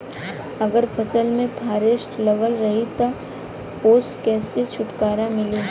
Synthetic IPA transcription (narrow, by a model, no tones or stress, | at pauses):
ɐɡəɾpʰɐsəlmẽpʰaːɾɪʃʈlɐɡəlɾɐɦit̪a | oːskɛːset͡ʃʰʊʈkaːɾamɪle